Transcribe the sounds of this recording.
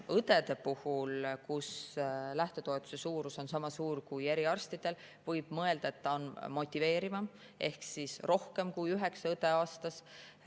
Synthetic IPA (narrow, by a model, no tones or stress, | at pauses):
ɤt̪e̞d̪̥e̞puhulkuslæht̪e̞t̪o̞e̞t̪ːˑu̥se̞suːɾuso̞nsɑmɑsuːrkuje̞ɾiɑrst̪id̪̥e̞l | vɤ̞jb̥mɤe̞ld̪̥ɑet̪ːɑonmo̞t̪ʲːˑive̞ːɾimɑ | ʔe̞hksisro̞hke̞mkujyɦe̞ksɑɤt̪e̞ɑːst̪ɑs